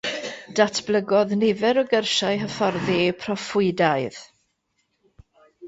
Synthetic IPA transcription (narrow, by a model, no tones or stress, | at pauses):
d̥atʰb̥lˠəɡɔðnɪvɛɾɔɡərʃaɨɦəfɔrðipʰrɔfʊɨdaɨð̥